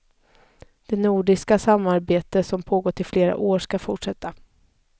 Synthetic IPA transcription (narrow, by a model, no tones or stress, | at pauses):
d̪̥ɛnuːɖɪskasamːaɾbeːt̪əsɔmpʰoːɡoːʈ̪ɪfleːɾa̰ʔoːʂkafʊʈʂɛt̪ʰːa